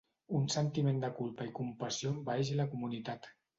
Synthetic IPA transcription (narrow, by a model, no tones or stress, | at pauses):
unsənt̪imẽnd̪əkulˠpəikumpasiombaeʒəlakumunit̪at̪